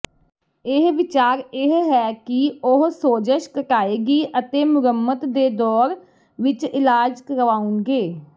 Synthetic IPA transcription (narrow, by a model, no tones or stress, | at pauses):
ɪɦʋɪt͡ʃaːɾɪɦɦɛːkɪʊɦsoːd͡ʒəʃkəʈaːeːɡiːʔət̪eːmʊɾəmːət̪d̪eːd̪ɔːɾ | ʋɪt͡ʃɪlaːd͡ʒkəɾʋaːʊnɡeː